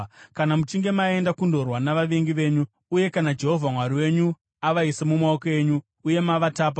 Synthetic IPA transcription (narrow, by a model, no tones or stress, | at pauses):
kanamut͡ʃiŋɡe̞mae̞ndakundo̞rwanaʋaʋeŋɡiʋe̞ːɲuː | je̞kanad͡ʒe̞ɦo̞vʱamwaɾiwe̞ɲu | aʋaisemumaokoe̞ːɲuː | je̞maʋataːp̬a